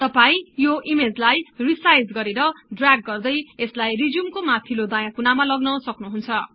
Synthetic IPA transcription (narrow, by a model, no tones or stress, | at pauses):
t̪ʌpaĩjoʔimed͡zlajrisajd͡zɡʌɾeɾʌɖraɡ̚ːʌrd̪ʌjeslajrid͡zjumkomat̪ʰilod̪ajãkunamalʌɡnʌsʌknuɦunt͡sʰʌ